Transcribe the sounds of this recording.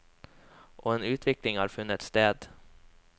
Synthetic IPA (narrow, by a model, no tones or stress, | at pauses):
ʔɔenʉ̟ːt̪ʰvɪklɪŋhæɾfɵnːɪt̪st̪eːd̪